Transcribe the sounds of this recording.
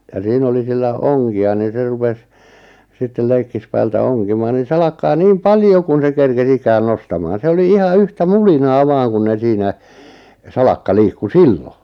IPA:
jɑ siːn oli silːæ oŋkiɑ nin̞ se rupes sitːel leikːispæːltæ oŋkimɑːn nin̞ sɑlɑkːɑː niːm pɑljo kun̞ se kerkes ikæːn nostɑmɑːn se oli ihɑ yhtæ mulinɑː ʋɑːŋ kun ne siːnæ sɑlɑkːɑ liːkːu silːo

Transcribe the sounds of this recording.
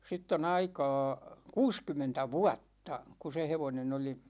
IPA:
sitː on ɑikɑ̝ː kuːskymˑentæ ʋuɑtːɑ ku se heʋonen oli

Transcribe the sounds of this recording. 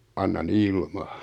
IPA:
ɑnːɑn ilmɑ̥

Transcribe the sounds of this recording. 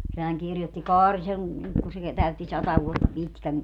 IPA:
sehæŋ kirjotːi kɑːri seŋ ku se tæytːi sɑtɑ ʋuotːɑ pitkæŋ

